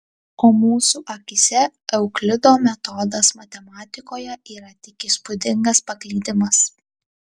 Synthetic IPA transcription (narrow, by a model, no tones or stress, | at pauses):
oːmuːsuːʔɐkʲɪsʲɛɛʊklʲɪd̪oːmʲɛt̪ɔd̪ɐsmɐt̪ʲɛmɑːt̪ʲɪkoːjɛiːɾɐt̪ʲɪkʲispʊd̪ʲɪŋɡɐspɐklʲiːd̪ʲɪmɐs